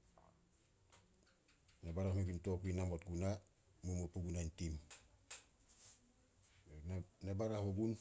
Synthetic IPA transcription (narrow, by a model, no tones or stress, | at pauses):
nebaɾahmekintokinamot̚ɡuna | mumupuɡunantim | nebaɾahoɡun